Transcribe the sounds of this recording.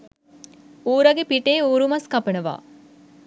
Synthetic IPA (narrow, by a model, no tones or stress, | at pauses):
uːɾɐɡepiʈeːuːɾumɐskɐpənəʋa̰ː